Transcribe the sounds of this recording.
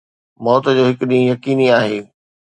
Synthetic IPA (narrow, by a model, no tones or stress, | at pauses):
mɔːt̪d͡ʑoːɦɪkʊɗĩjɐkiːniaːɦeː